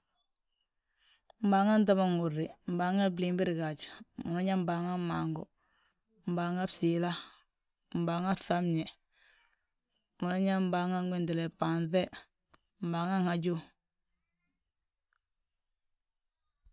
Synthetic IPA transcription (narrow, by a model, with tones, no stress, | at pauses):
m̩˨baː˨ŋa˦n˦t̬a˦ba˦ŋu˨ɾːɪ˨m̩˨ba˨ŋa˦bli˨mbi˦ɾi˨ɡa˨t͡ʃmu˨na˦ɲa˦m˦baː˨ŋa˦ma˨ŋɡɔ̰˨ | m̩˨baː˨ŋa˦bsi˨la˦ | m̩˨baː˨ŋa˦θa˦mɲɛ˨ | mu˨na˦ɲa˦m̩˦ba˨ŋa˦ŋɡʷɛ˦ndɛ˨lɛ˨pa˨nθɛ˦ | m̩˨baː˨ŋa˦ŋha˨d͡ʒu˦